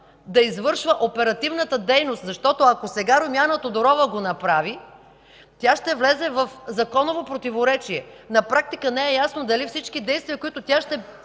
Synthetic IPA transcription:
d̪ɐizvɤɾʃvəʔopɛɾɐt̪ivnət̪əd̪ɛjnost̪zɐʃt̪ɔt̪oɐkosɛɡaɾomʲjanət̪od̪oɾɔvəɡonɐpɾavi | t̪ʲjaʃt̪ɛvlɛzɛvɐfzɐkɔnovopɾot̪ivoɾɛt͡ʃiɛ | nɐpɾak̚t̪ikənɛɛjasnod̪ɐlifsit͡ʃkid̪ɛjst̪viəkoit̪ot̪ʲjaʃt̪ɛ

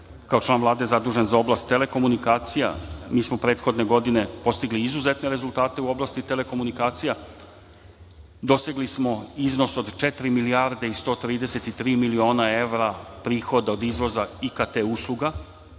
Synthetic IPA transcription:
kao̞t͡ʃlˠaːnʋlˠaːd̪ejzad̪uːʒenzao̞blˠaːst̪ːe̞le̞ko̞munikaːt̪sija̰miːsmopɾe̞ːt̪xo̞d̪ne̞ɡo̞d̪ine̞po̞st̪iɡliizuzet̪neɾe̞zulˠt̪aːt̪e̞uo̞blˠast̪it̪e̞le̞ko̞munikaːt̪sija | d̪o̞seɡlismo̞izno̞so̞d̪t͡ʃet̪ɾimiliaɾd̪eist̪o̞ːt̪ɾiːd̪ese̞t̪it̪ɾiːmilio̞ːnae̞ʋɾapɾiːxo̞d̪ao̞d̪izʋo̞zaikat̪euslˠuɡa

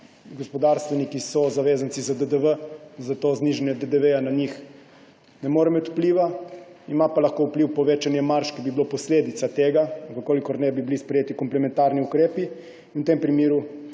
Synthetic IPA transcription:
ɡɔspɔd̪aɾst̪ʋɛnikisɔzaʋeːzant̪sizad̪əd̪əʋəzat̪ozniʒanjɛd̪əd̪əʋejanaɲix | nɛmoːɾɛmət̪u̥pliːʋa | imapalaxkoːupliwpɔʋeːt͡ʃanjɛmaɾʃkibibilopɔsleːd̪it̪sat̪eːɡakokoːlikɔɾnɛbibilispɾɛjeːt̪ikɔmplɛmɛ̃nt̪aɾniukɾeːpi | nwt̪empɾimeːɾu

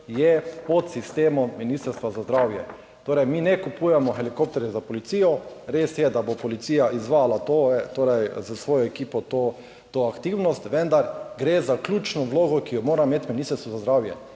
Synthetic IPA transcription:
jɛpɔt̪sist̪eːmɔminist̪əɾst̪ʋazazd̪ɾaːwjɛ | t̪oːɾɛjmiːnɛkupuːjɛmɔxɛlikop̚t̪ɛɾɛzapɔlit̪siːjɔ | ɾeːsjɛd̪abopɔlit̪siːjaʔizʋaːlat̪oːɛt̪oːɾɛjzəsʋoːjɔɛkiːpɔt̪o | t̪oːakt̪iwnɔst̪ʋɛ̃nd̪aɾɡɾeːzaklʲjuːt͡ʃnɔʋloːɡɔkijɔmoːɾameːt̪miniːst̪əɾst̪ʋɔzazd̪ɾaːwjɛ̰

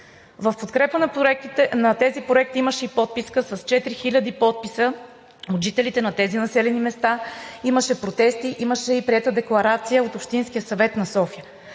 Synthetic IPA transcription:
vəfpot̪kɾɛpənɐnɐt̪ɛzipɾoɛk̚t̪iiməʃɛipɔt̪̚piskəsɐst͡ʃɛt̪ɾixilʲɐd̪ipɔt̪̚pisə | od̪ʒit̪ɛlit̪ɛnɐt̪ɛzinɐsɛlɛnimɛst̪aiməʃɛpɾot̪ɛst̪iʔiməʃɛipɾiɛt̪əd̪ɛklˠɐɾat̪sijəot̪opʃt̪insk̟ijəsɐvɛt̪nɐsɔfijə

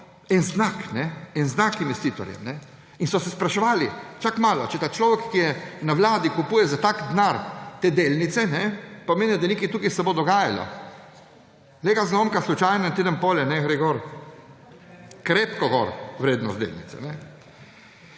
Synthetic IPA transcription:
ɛnznaknɛɛnznakinʋɛst̪iːt̪ɔ̰ɾjɛ̰mnɛ | insɔsɛspɾaʃɛʋaːlḭt͡ʃakmaːlɔt͡ʃɛt̪aːt͡ʃlɔːʋɛkːijɛnaʋlaːd̪ikupuːjɛzat̪akd̪naɾt̪eːd̪eːlnit̪sɛnɛpameːnid̪anikit̪uːkisɛbod̪ɔɡaːjalɔ̰ | leɡaznɔmkaslut͡ʃajnaint̪eːd̪ənpoːlɛnɛɡɾɛjɡoɾ | kɾepkɔɡɔ̰ɾʋɾeːd̪nɔst̪d̪ḛːlnḭt̪sɛ̰nɛ

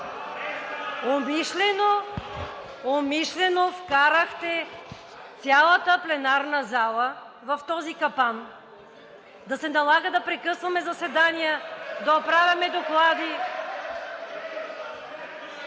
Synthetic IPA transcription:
omiʃlɛno | omiʃlɛnofkaɾəxt̪ɛ | t̪sʲjalˠɐt̪əplɛnaɾnəzalˠə | vɐft̪ɔzikɐpan | d̪ɐsɛnɐlˠaɡəd̪ɐpɾɛkɤsvɐmɛzɐsɛd̪anijəd̪ɐopɾavʲjɐmɛd̪oklˠad̪i

